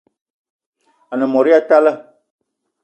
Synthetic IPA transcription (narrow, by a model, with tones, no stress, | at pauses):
a˨nə˨mɔ˨ɾi˦a˦ta˦lə˦